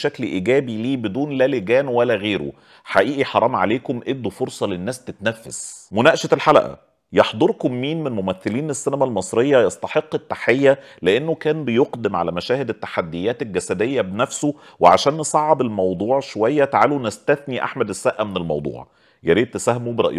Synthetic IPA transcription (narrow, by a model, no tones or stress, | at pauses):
ʃæklʔiɡæːbiliːbed̪uːnlæːleɡæːnwælːæɣeːɾo̰ | ħaʔiːʔiħɑɾˤɑːmʕa̰leːkomʔed̪ːofoɾsˤɑlenːæːst̪et̪næfːæsmʊnæːʔʃet̪elħalæ̰ʔæ̰ | jɑħd̪ˤoɾkomːiːnmenlmomæθːeliːnesːænæmælmɑsˤɾejːɑjɑsˤt̪ˤɑħeqːet̪ːaħejːæ | leʔenːokæːnbejoqd̪emʕa̰læmæʃæːhed̪et̪ːḁħad̪ːejːæːt̪elɡæsæd̪ejːæbenæfso | weʕaʃæːnːesˤɑʕːɑbelmɑwd̪ˤuːʕʃowæjːæt̪aʕaːlunæst̪æθniʔa̰ħmæd̪æsːæʔæmenelmɑ̰wd̪ˤṵːʕ | jæɾiːd̪̚t̪sæhmubɾˤɑ̰ʔj